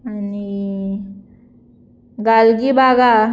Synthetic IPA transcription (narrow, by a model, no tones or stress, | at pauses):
ani | ɡalɡibaɡa